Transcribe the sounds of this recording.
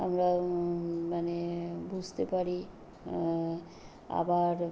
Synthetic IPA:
amɾa | manebud͡ʑʱt̪epaɾi | a̰baɾ

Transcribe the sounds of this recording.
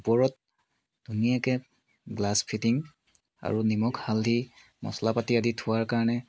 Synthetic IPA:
pɔɹɔt̚ | d̥unijakɛ | ɡlaspʰitiŋ | a̰ɹunimɔkhaldʱi | mɔ̰slapatiaditʰʊwaɹkaɹɔnɛ

